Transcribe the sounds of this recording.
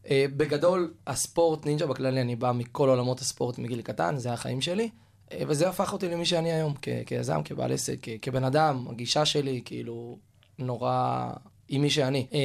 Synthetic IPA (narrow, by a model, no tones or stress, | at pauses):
ebe̞ɡado̞laspo̞ʁt̪nind͡ʒabaklalianibamiko̞lo̞lamo̞thaspo̞ʁt̪miɡilkata̰nzeaχa̰imʃe̞li | eveze̞afaχo̞t̪ilemiʃeaniajo̞mkḛkeja̰za̰mkeba̰lʔḛsekːekebe̞nadama̰ɡiʃaʃe̞likiḭlu | no̞ʁa | imːiʃ̬eani